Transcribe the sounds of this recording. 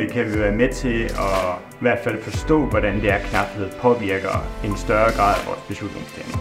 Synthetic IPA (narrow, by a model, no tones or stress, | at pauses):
ekʰæʋiʋæːɐmet͡sʰe̝ɒ̽ | ʋæɐd̥fæl̰fɒ̽sd̥ɔ̰̽ːʋɒɾ̥ænd̥eæɐkʰnɑ̈b̥he̝ð̞̰ˠpʰɒ̽ʋiɐ̰ɡ̥ɐensd̥ɶɐɡ̥ʁɑ̰̈ːð̰ˠʋɒ̰ːsb̥e̝slud̥ne̝ŋsl̥ḛmn